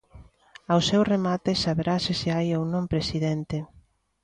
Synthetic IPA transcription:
awsewremat̪esaβeɾasɪseajownõmpɾesiðent̪e

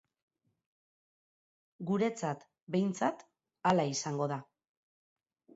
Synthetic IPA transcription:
ɡuɾe̞t͡sat̪ | be̞jnt͡sat̪ | alaisaŋɡo̞ða

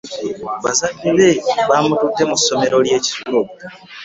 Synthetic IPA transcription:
βa̰zamileβamututːe̞muso̞me̞ɾo̞lje̞ːci̥tulo

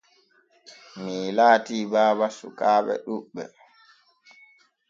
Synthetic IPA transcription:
miːlaːtiːbaːbasukaːɓɛ̰ɗuɓːɛ̰

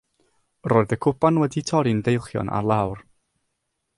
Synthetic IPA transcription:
roːɨðəkʰʊpanwɛditʰɔɾindejlˠχjɔ̰nʔa̰rlˠawr

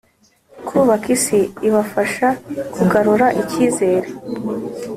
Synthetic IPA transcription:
kʰuːβakisiiβafaʃakuɡaɾuɾaʔiciːze̞ːɾe

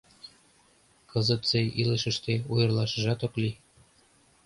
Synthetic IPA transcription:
kɤzɤ̆t̪seilə̆ʃə̆ʃt̪eujɤ̆rlˠɑʃɤ̆ʒɑt̪okli

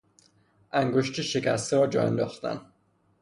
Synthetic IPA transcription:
ʔæŋɡoʃt̪ʰiʃekʲæst̪ʰeɾɒːd͡ʒɒ̰ːjḛnd̪ɒːxt̪æ̰n

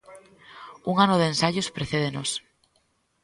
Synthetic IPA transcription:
uŋanoðensaʎospɾeθeð̞enos

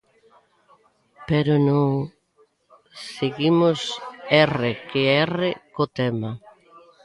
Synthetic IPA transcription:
pɛɾʊnõŋ | seɣimʊsɛrekeɛrekot̪ɛma

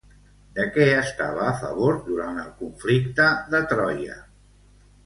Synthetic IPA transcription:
d̪əkɛəst̪a̰β̞əːfə̰β̞oɾd̪uɾant̪əlˠkuɱflikt̪əðət̪ɾɔjə̰

